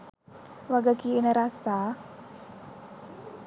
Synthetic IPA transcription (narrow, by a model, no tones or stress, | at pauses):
waɡakiːnaɾasa